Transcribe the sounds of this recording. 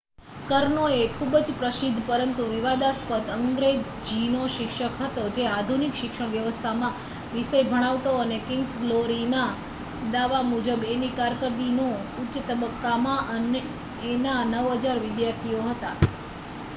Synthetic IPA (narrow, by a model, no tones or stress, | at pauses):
kəɾnoekʰubd͡ʒpɾəsɪd̪ʱpəɾənt̪uʋɪʋad̪aspət̪əŋɡɾe | d͡ʒinoʃɪkʃəkɦət̪od͡ʒead̪ʱunikʃɪkʃəɳ̃ʋjəʋəst̪ʰamã | ʋiʃəjbʱəɽ̃aʋt̪oənekɪnɡsɡloɾina | d̪aʋamud͡ʒəbenikaɾkəɾd̪inoʊtːʃət̪əbəkːamãʔəneː | nanəʋɦəd͡ʒaɾʋɪd̪jaɾt̪ʰioɦət̪a